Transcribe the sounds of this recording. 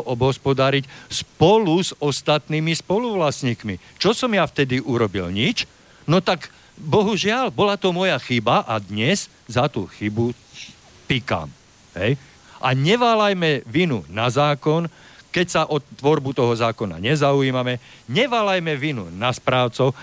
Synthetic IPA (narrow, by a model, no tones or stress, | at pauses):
ʔɔbɦɔspɔd̪aɾicspɔluzɔst̪at̪niːmispɔluʋlasɲiːkmi | t͡ʃɔsɔmjaft̪ɛd̪iʔuɾɔbḭlɲit͡ʃ | nɔt̪aɡ | bɔɦuʒɪalbɔlat̪ɔmɔjaxibaʔad̪ɲɛz | zat̪uxibu | t̪ika̰m | ɦɛj | ʔa̰ɲɛʋaːlajmɛʋinṵnazaːkɔnkɛcsaʔɔt̪ːʋɔɾbut̪ɔɦɔzaːkɔna̰ɲɛzaujiːmamɛ | ɲɛʋaːlajmɛʋinṵnaspɾaːʊt͡sɔʊ